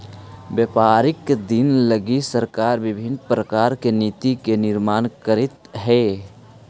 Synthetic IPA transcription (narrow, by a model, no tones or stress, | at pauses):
bjəpaːɾɪkːd̪ɪnləɡisəɾkaːɾʋɪbʱɪnpɾəkaːɾkeniːt̪ikenɪɾmaːnkəɾɪt̪ɦɛː